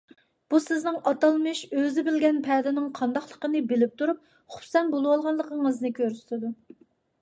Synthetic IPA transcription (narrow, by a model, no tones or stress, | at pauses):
b̥usɪznɪŋʔɑt̪ɑlˠmɨʃøzɪbɪlɡʲɛnpʰɛd̪ɪnɪŋqʰɑnd̪ɑχlˠəqənɨbɪlɪp̚t̪ʰuɾup̚ | χu̥psɛnbolˠwɑlˠʁɑnlˠəqʰəŋəznɨkʲʰøɾst̪ʰɪd̪u